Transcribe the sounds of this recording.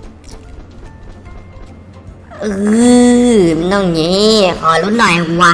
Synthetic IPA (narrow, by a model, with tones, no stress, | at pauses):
ʔɯː˧ | nɔ˧˩ŋɲi˦˥kʰɔː˨˩˦lo˦˥t̪̚nɔ˨˩jwa˧